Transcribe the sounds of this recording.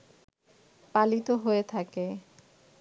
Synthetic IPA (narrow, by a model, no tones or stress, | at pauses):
palit̪oɦoet̪ʰake